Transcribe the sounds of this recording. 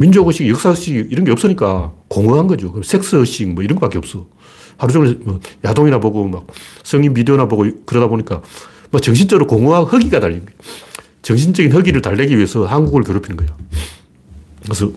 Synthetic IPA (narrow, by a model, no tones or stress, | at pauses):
mind͡ʑoɡoɕ͈iɡijʌks͈aɦɯɕ͈iɡiiɾʌnɡeʌp̚s͈ʌɲik͈akoŋuɦanɡʌd͡ʑiokɯmesʰe̞k̚s͈ʰɯɯɕ͈imwʌiɾʌnɡʌkak͈eʌp̚s͈ʌ | haɾud͡ʑoŋnmʌjadoŋinaboɡomak̚sʰʌŋimbideonaboɡokɯɾʌdaboɲik͈a | mak̚t͡ɕʌŋɕ̬ʰint͡ɕ͈ʌɡɯɾokoŋuɦahɯɡiɡataʎːii | t͡ɕʌŋɕ̬ʰind͡ʑʌɡinɦɯɡiɾɯɭtaɭːeɡiɥie̞sʰʌhanɡuɡɯɭkjoɾopʰinɯnɡʌjo | kesʰʌ